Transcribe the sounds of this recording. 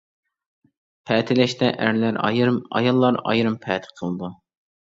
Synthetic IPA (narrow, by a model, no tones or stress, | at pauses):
pʰɛt̪ʰɪlɛʃt̪ɛʔæɾlæɾɑ̰jɾmɑ̰jɑlˠːɑɾɑ̰jɾɨmpʰɛt̪ʰɨ̥qʰəlˠɨd̪u